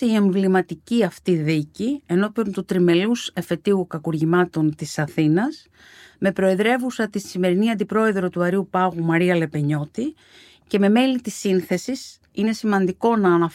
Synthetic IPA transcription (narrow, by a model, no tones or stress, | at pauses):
eie̞ɱvlimɐt̪iciɐft̪iðicie̞no̞piont̪ut̪ɾime̞luse̞fe̞t̪iukɐkuɾʝimɐt̪o̞nt̪isɐθinɐs | me̞pɾo̞e̞ðɾe̞vusɐt̪isime̞ɾiniɐnd̪ipɾo̞e̞ðɾo̞t̪uɐɾiupɐɣumɐɾiɐle̞pe̞ɲo̞t̪i | ce̞me̞me̞lit̪isinθe̞sis | ine̞simɐnd̪iko̞nɐːnɐ